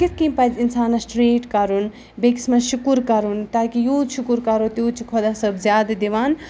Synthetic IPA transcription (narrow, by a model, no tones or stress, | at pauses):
kit̪̚ʰkimpɐd͡ʒinsaːnɐsʈɾeːʈkɐɾun | beksmɐʃukuɾkɐɾunt̪aːkijuːʃukuɾkɐɾot̪uːt͡ʃʰikʰod̪asɐbzjaːd̪ad̪iʋaːn